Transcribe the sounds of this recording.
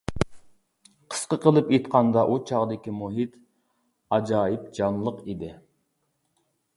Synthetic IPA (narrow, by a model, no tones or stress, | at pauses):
qʰə̥sqəqʰəlˠɨpet̪qʰɑnd̪ɑʔut͡ʃʰɑʁd̪ɪkʲimuɦit̪ | ɑd͡ʒɑːjip̚d͡ʒɑnlˠəqid̪ɪ